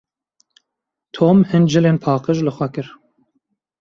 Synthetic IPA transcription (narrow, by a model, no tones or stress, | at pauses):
t̪ʰoːmhɨnd͡ʒɨleːnpʰɑːqəʒlɨxʷɛkɨɾ